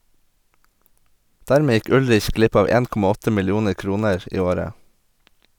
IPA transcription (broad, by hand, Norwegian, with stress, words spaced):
ˈdæːɾmeː ˈjɪk ˈʉlɾɪç ˈɡlɪp ˈɑːʋ ˈeːn ˈkɔmɑ ˈɔtə mɪlˈjuːnəɾ ˈkɾuːnəɹ ˈiː ˈoːɾə